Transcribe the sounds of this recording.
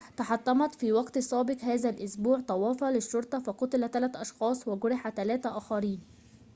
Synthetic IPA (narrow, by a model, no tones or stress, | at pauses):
t̪ɑħɑt̪ˤːɑmɑt̪fiːwɑɡt̪sˤɑːbɪqhæːzælʔʊsbuːʕt̪ˤɑwɑːfɑlɪʃːoɾˤt̪ˤɑfɑqʊt̪ɪlæt̪ːælæt̪ʔɑʃxɑːsˤwɪɡʊɾɪħat̪ælæːt̪æʔæːxæɾiːn